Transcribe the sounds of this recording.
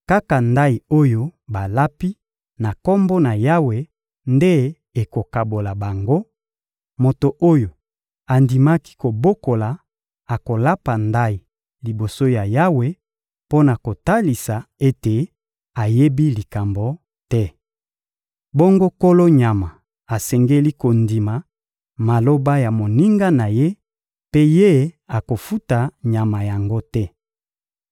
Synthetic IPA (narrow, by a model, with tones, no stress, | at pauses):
ka˦ka˨nda˦i˨o˦jo˦ba˨la˦pi˦ | na˨kɔ˦mbo˦na˨ja˦we˦ | nde˦ | e˨ko˨ka˨bo˨la˨ba˨ŋɡo˦ | mo˨to˨ʔo˦jo˨ | a˨ndi˨ma˦ki̥˦ko˨bo˦ko˨la˨ | a˨ko˨la˦pa˨nda˦i˨ | li˨bo˨so˦ja˨ja˦we˦ | po˦na˨ko˨ta˦li˨sa˨e˦te˨ | a˨je˦bi˦li˨ka˨mbo˨ | tɛ˦ | bɔ˦ŋɡo˦ko˦lo˦ɲa˨ma˨ | a˨sɛ˨ŋɡe˦li˦ko˨ndi˨ma˨ | ma˨lo˦ba˦ja˨mo˨ni˦ŋɡa˦na˨je˦ | pe˦je˦a˨ko˨fu˦ta˨ɲa˨ma˨ja˨ŋɡo˦tɛ˦